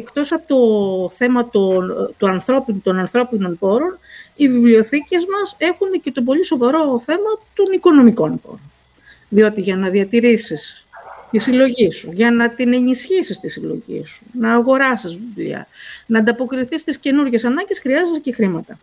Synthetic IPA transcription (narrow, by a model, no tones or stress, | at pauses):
ekt̪o̞sɐpot̪o̞θe̞mɐt̪ont̪uɐnθɾo̞pinut̪o̞nɐnθɾo̞pino̞npo̞ɾo̞nivivlio̞θice̞zmɐse̞xunece̞t̪o̞bo̞liso̞vɐɾo̞θe̞mɐt̪o̞niko̞no̞miko̞npo̞̰ɾo̞n | ðio̞t̪iʝɐnɐðiɐt̪iɾisis | t̪isilo̞ʝisuʝɐnɐt̪ine̞nisçisist̪isilo̞̰ʝḭsu̥nɐːɣo̞ɾɐsizvivlḭɐ̰nɐːnd̪ɐpo̞kɾiθist̪isce̞nuɾʝe̞sɐnɐɲɟe̞sxɾiɐzezecexɾimɐt̪ɐ